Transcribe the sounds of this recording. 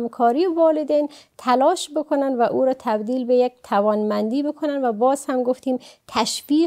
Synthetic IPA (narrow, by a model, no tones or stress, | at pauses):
mkʰɒːɾivɒːled̪ent̪ʰælɒːʃbekʰonænd̪væʔuːɾɒːt̪ʰæbd̪iːlbejek̚t̪ʰævɒːnmænd̪iːbekʰonænvæbɒːz̥hæmɡoft̪iːmt̪ʰæʃfiː